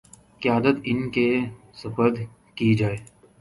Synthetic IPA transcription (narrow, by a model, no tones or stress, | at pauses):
kɪjaːd̪ət̪ɪnke | sɐfəɾd̪ | kid͡ʒaːeː